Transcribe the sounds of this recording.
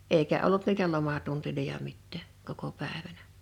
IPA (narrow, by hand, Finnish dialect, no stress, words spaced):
eikæ olːut niːtæ lomɑtuntilojɑ mitːæˑ koko pæˑeʋænæ